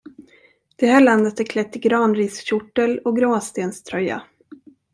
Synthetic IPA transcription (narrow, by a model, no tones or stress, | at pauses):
d̪̥ɛhæːɭand̪ət̪æɾkʰlɛt̪ːɪɡɾɑːnɾiːsɕʊʈːəlɔɡɾoːst̪eːnst̪ʰɾœjːa̰